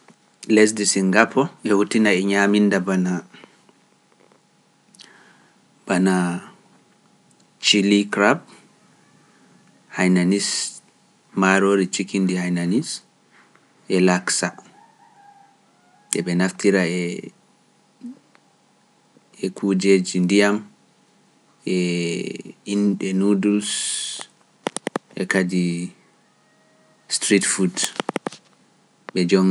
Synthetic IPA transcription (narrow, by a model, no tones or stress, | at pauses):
lɛs̬disiŋɡapʰɔɛhutinaɛɲaːmindabana | b̥ana | t͡ʃilikɾab̚ | hajnanis | maɾoːɾit͡ʃikindihajnanis | ʔɛlaksa | ɛɓɛnaftiɾaɛ | ɛkʰud͡ʒeːd͡ʒindijam | ʔɛ | inɗɛnudus | ʔɛ̰kadi | stɾitfud | ɓɛd͡ʒɔm